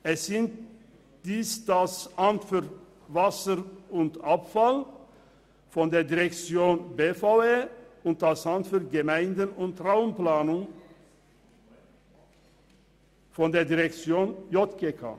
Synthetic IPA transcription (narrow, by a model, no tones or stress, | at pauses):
ɛsz̥ɪnt | d̪̥iːsd̪̥ashantfyʁ | vasəʁʊntapfal | fɔnd̪eːɐdiʁɛkt͡sjoːnbeːfaʊeːʊnt̚d̥ashantfyːɐɡəmaɪndənʊnt̪ʁaʊənplaːnʊŋ | fɔnd̪eːɐdiʁɛkt͡sjoːnjɔt̪ɡekʰa̰ː